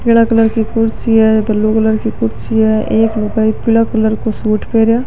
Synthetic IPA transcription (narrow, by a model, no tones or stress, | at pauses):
kɪɽ̃akələɾkikʊɾt͡ʃiɦɛbɐlːokələɾkikʊɾsiɦɛeːklʊkaːipɪlakələɾkosuːʈʰpeːɾjaː